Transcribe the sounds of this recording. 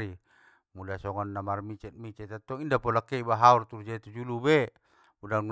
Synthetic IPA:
ɾi | mulasɔŋɔnːamarmit͡ʃɛt̪̚mit͡ʃɛt̪at̪ːɔindapɔlakːɛibaɦaurt̪urd͡ʒat̪ud͡ʒulubɛ | budaŋu

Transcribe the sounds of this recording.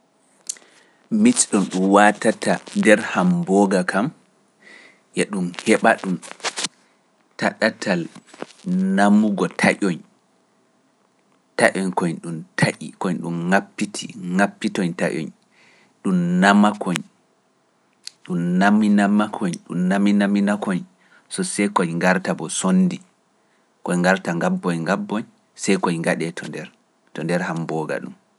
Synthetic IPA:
mit͡ʃɗɔnɗumwatatandɛɾhambɔɡakʰam | jɛɗumhɛɓaɗum | taɗatʰal | namuɡɔtʰaʔɔɲ | taʔɔɲkɔɲɗumtʰaʔḭkɔɲɗumŋapːitʰiŋapːitɔɲta̰ʔɔ̰ɲ | ɗumnamakʰoɲ | ɗumnaminamakʰɔɲɗṵmnaminaminakɔɲ | sɔsɛjkɔjŋɡaɾtabɔsonːdi | kɔjŋɡaɾtaŋɡabːɔɲŋɡabːɔɲ | sɛjkɔjŋɡaɗɛtʰɔndɛɾ | tɔndɛɾhambɔːɡa̰ɗṵm

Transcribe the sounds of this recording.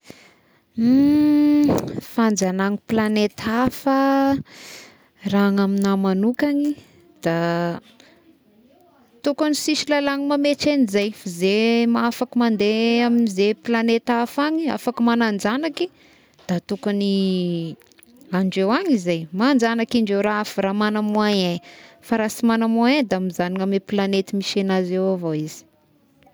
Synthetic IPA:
fand͡zanaŋiplanet̪ʰafə | raŋaminamanukaɲi | d̪̥a | t̪ukanisisilalaŋimameʈ͡ʂenizajfazemaafakimand̪eaminizeplanet̪afaɲia̰fakəmanand͡ʒanaki | d̪̥at̪ukani | aɳɖ͡ʐewaɲizajmand͡ʒanakaɳɖ͡ʐewɾaafiɾamanamuaɲafaɾasimanamuaed̪aamizaniŋameplanet̪imiʃenazewavoiz̥i̥

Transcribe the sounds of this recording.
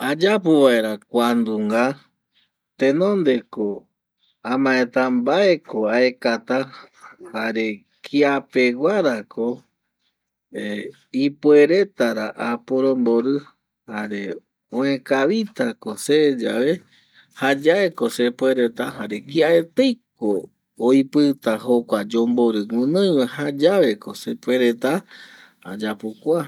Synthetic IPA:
ad͡ʒap̬uβae̞ɾakʷand̪uŋɡa | t̪ẽnõ̞nd̪e̞ko | ãmãẽt̪ambae̞koae̞kat̪a | haɾe̞ | kʰiape̞ɡʷaɾakʰo | e | ipue̞ɾe̞t̪aɾaʔapoɾõmbo̞ɾɨ | haɾe̞ | õẽkaβit̪akosed͡ʒaβe̞ | had͡ʒaeko̞sepwe̞ɾe̞t̪aɦaɾe̞kiae̞t̪ejkoː | jpɨt̪ahokʷad͡ʒombo̞ɾɨŋʷɨ̃nõj̃wahad͡ʒaʋe̞ko̞sepwe̞ɾet̪a | ad͡ʒapokʷa

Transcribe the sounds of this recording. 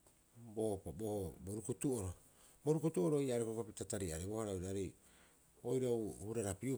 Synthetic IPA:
bopabohoboɾukutuoɾo | bo̞ɾukutuoɾoijaɾekokapitataɾiaɾebohaɾaojɾaaɾej | ojɾawhuɾaɾapiu

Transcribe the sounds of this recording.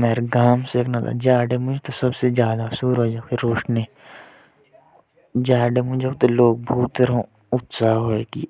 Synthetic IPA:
meːɾɡaːmseːknat̪a̰d͡ʒaːɖemʊd͡ʒʱt̪osɐbsezjaːd̪asuːɾɦoːd͡ʒakʰɪɾːoːʃneː | d͡ʒaːɖemʊd͡ʒok̚t̪oloːɡ̚bʱuːt̪ːəɾõ | ʊt̪saːɦoːeːkiː

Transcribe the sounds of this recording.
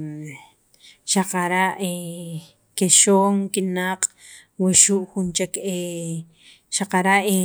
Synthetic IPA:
ʃaqaɾaʔe | keʃoːŋkinaqʼ | wiʃuʔxunt͡ʃeke | ʃaqaɾaʔe

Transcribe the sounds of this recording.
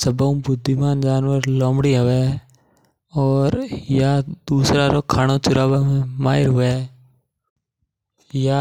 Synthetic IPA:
səbũːbʊd̪ʱːimaːnd͡ʒaːnʋəɾloːmɽiːɦəʋɛː | ɔːɾjaːd̪uːsɾaːɾoːkʰaːnoːt͡ʃʊɾaːbaːmẽmaːɦɪɾɦʊʋeː | jaː

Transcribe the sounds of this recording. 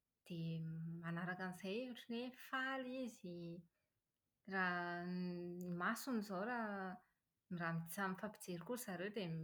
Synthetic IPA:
d̪̥emanaɾakanizajiʈ͡ʂinefalizi | ra | imasunizowɾa | miramid̪izamifapi̥d͡zeɾikuɾzaɾewd̪em

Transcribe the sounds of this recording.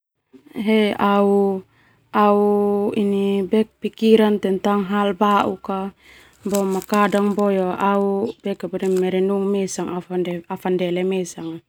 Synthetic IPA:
ɦeau | auinibɛk̚pikiɾant̪ɛnt̪aŋɦalbaʔṵka | bɔmakadaŋbɔjaaubɛkabɔdɛmɛɾɛnuŋmɛsaŋafaafandɛlɛmɛsaŋ

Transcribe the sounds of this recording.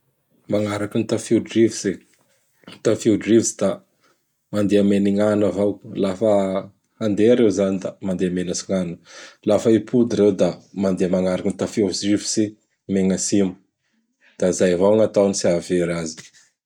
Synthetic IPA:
maŋaɾakinit̪afiwdrivise | t̪afiuɖ͡ʐrivsi̥d̪̥a | mand̪eameniŋanavawlafə | and̪eaɾewzanid̪amand̪eamenasiŋanəlafəipʰud̪iɾewd̪amand̪eamaŋaɾakinit̪afedivisi | meŋəsimu̥ | d̪̥aizajvawŋat̪awnisiaveɾazi̥

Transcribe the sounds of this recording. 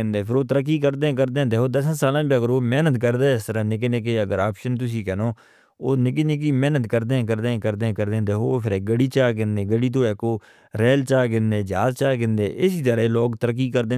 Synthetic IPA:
ɪnd̪eːpʰɪɾoːt̪əɾəkːiːkəɾd̪ẽːkəɾd̪eːɛ̃ːd̪eːkoːd̪əs̬ãsaːlãːbiəɡəɾoːmɛːnət̪kəɾd̪eːɪst̪əɾaːnɪk̬enek̬eəɡəɾaːpʃənt̪ʊsiːkənoː | oːnɪkenek̬iːmɛːnət̪kəɾd̪ẽːkəɾd̪ẽːkəɾd̪eːɛ̃ːkəɾd̪eːɛ̃ːd̪eːkopʰɪɾeːɡəɽiːt͡ʃaːk̬ɪnd̪eːɡəɽiːt̪̬õːeːkoː | ɾɛːlt͡ʃaːkɪ̃nd̪eːd͡ʒaːzt͡ʃaːkɪ̃nd̪eːʔɪsiːt̪əɾeloːkt̪əɾək̬ːiːkəɾd̪eː

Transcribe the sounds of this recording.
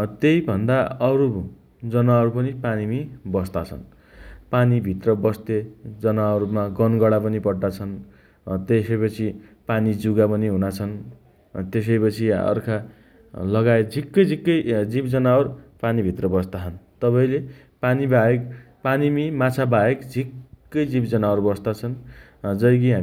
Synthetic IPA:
t̪ejbʱʌnd̪aʌɾu | d͡zʌnaʌɾupʌnipanimibʌst̪at͡sʰʌ̰n | panibʱit̪rʌbʌst̪ed͡zʌnaʌɾumaɡʌnɡʌɽapʌnipʌɽɖat͡sʰʌn | t̪esʌjpʌt͡sʰi | panid͡zuɡapʌniɦunat͡sʰʌn | t̪es̬ʌjpʌt͡sʰiʌ̰rkʰa | lʌɡaed͡zʱikːʌjd͡zʱikːʌjd͡zibd͡zʌnaʌrpanibʱit̪rʌbʌst̪aɦʌnt̪ʌpʌĩle | panibaek | panimimat͡sʰabaekd͡zʱikːʌjd͡zibd͡zʌnaoɾubʌst̪at͡sʰʌn | d͡zʌjk̬iɦa

